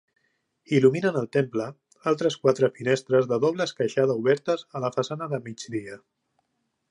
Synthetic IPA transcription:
iluminənəlˠt̪emplə | alˠt̪ɾəskwat̪ɾəfinest̪ɾəzðəðɔβləskəʃað̞əuβɛɾt̪əzələfəsanəðəmid͡ʒdiə

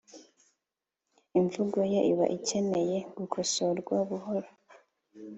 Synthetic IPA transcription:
iɱvuɡo̞jeʔiβa̰ʔice̞me̞je̞ɡukʰosoɾɡwaβuhoɾo

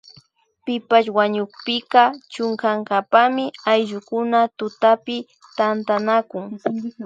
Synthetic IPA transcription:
pɪpaʃwaɲʊkpɪkɑt͡ʃʊŋkaŋkapamɪajʎʊkʊnat̪ʊt̪apɪ | t̪ant̪anakʊŋ

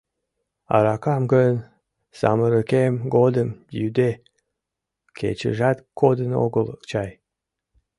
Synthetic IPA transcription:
ɑ̰ɾɑkɑmɡən | sɑ̰məɾəkemɡod̪əmjyd̪e | kʰḛt͡ɕə̰ʒɑt̪kʰod̪əno̰ɡəlt͡ɕɑj

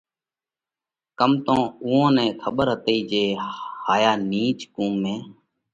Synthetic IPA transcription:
kəmt̪õːuːãːnɛ̃ːkʰəɓəɾɦət̪iːd͡ʒeːhaːjaːniːt͡ʃkũːmːẽː

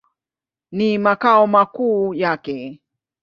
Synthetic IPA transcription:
nimakaɔmakuːjakɛ

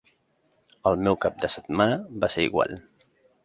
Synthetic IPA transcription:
əlˠmɛwkap̚d̪əsət̪manəbaseɾḭɣwa̰lˠ

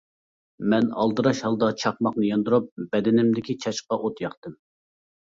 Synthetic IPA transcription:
mɛnɑ̰lˠd̪ɨɾɑʃhɑlˠd̪ɑt͡ʃʰɑχ̚mɑχnɨjɑnd̪uɾup̚bɛd̪ɪnɪmd̪ɪkʲit͡ʃʰɑt͡ʃqɑʔot̪jɑχt̪ɨm

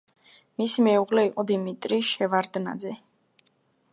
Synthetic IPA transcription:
misimɛuʁlɛiqʼɔd̪imit̪ʼɾiʃɛvaɾd̪na̰d̪zɛ

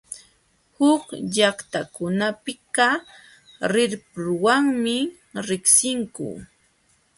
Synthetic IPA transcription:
hʊkʎakt̪akʊnapɪkɑ | ɾɪɾpʊɾwaŋmɪ | ɾɪksɪŋkʊ̰

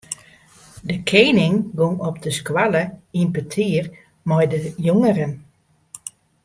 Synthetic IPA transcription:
dəkʰeːnɪŋɡoŋɔpdəskwaləinpətʰiər | mɔjdəjoŋərən

